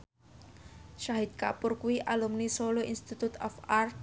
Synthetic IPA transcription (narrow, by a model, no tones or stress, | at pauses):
ʃaɦid̪̚kapʊrkuwiʔalumnisoloinst̪it̪ut̪ɔfart̪̚